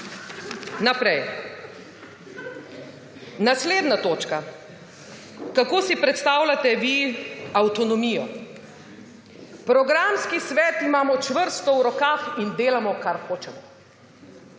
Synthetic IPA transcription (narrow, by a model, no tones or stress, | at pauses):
napɾɛj | nasleːd̪nat̪oːt͡ʃka | kakoːsipɾɛt̪st̪aːwlat̪ɛʋiawt̪ɔnɔmiːjɔ | pɾɔɡɾamskisʋɛːt̪imaːmɔt͡ʃʋəɾst̪ɔwɾɔkaːxind̪eːlamɔkaɾxoːt͡ʃɛmɔ